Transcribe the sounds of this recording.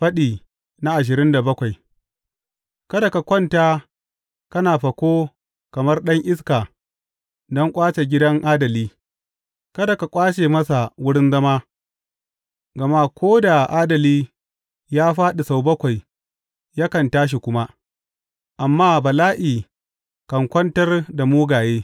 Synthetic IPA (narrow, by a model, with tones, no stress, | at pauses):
ɸɐ˦ɗiː˨ | na˦ʔa˨ʃ̬ɪ˨ɾɪ˦nda˨bɐ˦kʷa˨j | kɐ˦da˨ka˨kʷɔ˦ntaː˦ | kɐ˦naː˨ɸɐ˨kʷoː˦ | kɐ˨mɐ˦rɗɐ˦ŋʔɪ˦s̬kaː˨ | dɔ˦ŋkʷʼaː˦t͡ʃe˨ɡʲɪ˦dɐ˦ŋʔaː˦dɐ˨liː˦ | kɐ˦da˨ka˨kʷʼaː˦t͡ʃeː˨mɐ˦sa˨wʊ˦ɽɪ˦nzɐ˦maː˦ | ɡɐ˨ma˦kʷoː˦da˨ʔaː˦dɐ˨liː˦ | jaː˦ɸaː˦ɗi˨sa˨wbɐ˦kʷa˨j | ja˦kɐ˨ntaː˦ʃ̬i˨kʷʊ˦ma˦ | ʔa˨mːaː˦bɐ˨laː˦ʔiː˨ | kɐ˨ŋkʷɐ˦ntɐ˦rda˨muː˦ɡaː˨jeː˦